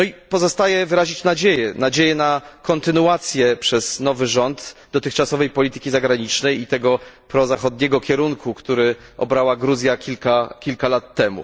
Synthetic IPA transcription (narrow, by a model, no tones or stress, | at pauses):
nɔipɔzɔst̪ajɛvɘɾaʑit͡ɕnad͡ʑejɛnad͡ʑejɛnakɔnt̪ɘnuat̪sʲjɛpʂɛz̥nɔvɘʐɔnd̪d̪ɔt̪ɘxt͡ʂasɔvɛjpɔlʲit̪ɘ̥kʲizaɡɾaɲit͡ʂnɛjit̪ɛɡɔpɾɔzaxɔd̪ɲɛɡɔkʲɛɾuŋkʰukt̪uɾɘʔɔ̰bɾawaɡɾuzʲjakʲilkakʲilkalat̪ːɛmṵ